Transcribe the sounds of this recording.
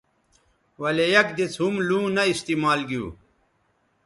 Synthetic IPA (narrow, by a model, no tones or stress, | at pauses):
wɐlejɐkd̪it͡sʰɦumlũːnɐist̪iːmaːlɡijṵː